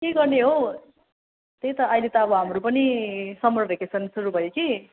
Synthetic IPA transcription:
keɡʌrneɦo | t̪ejt̪ʌʔʌjlet̪ʌʌbʌɦamrupʌnisʌmrʌbʱekesʰʌnsuɾubʱʌjoki

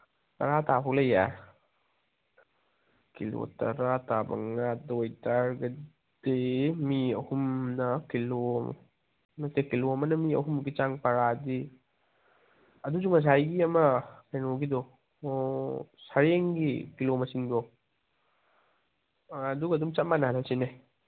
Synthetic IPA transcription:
tɐɾatapʰɔklɐja | kilo̰tɐ̰ɾatabɐ̰ŋadojtaɾɡɐ | demiɐhumnɐkilo | mɐsekiloɐmɐnɐmiɐ̰ɦumɡit͡ʃaŋpɐɾadi | ɐdusuŋɐs̬ajɡiɐmɐmenoɡido | sɐɾeŋɡikilomɐsiŋdɔ | ɐduɡɐdumt͡ʃat̚manaɦalasinaj

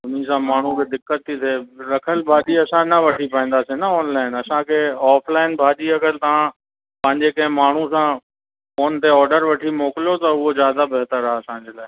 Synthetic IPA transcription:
ʊmĩsãmaːɳ̤ubɪd̪ɪkːət̪ʰːit̪ʰeːɾɐkʰəlbʱaːɗiɐsãnɐʋɐʈʰipaːĩːn̆d̪asinɐɔːnlaːɪnɐsãkʰeːɔːfʰlaːɪnbʱaːɗiɐkʰəlt̪ɐʋ̤ã | pɐ̃ɦɪ̃ɲd͡ʑekɐ̃ɦɪ̃maːɳ̤usã | foːnt̪eɔːɾɖəɾʋɐʈʰimoːkɪlijot̪ɐʊɦozjaːd̪abɐɦt̪əɾɦaɐsãɲd͡ʑeːlaːɪ

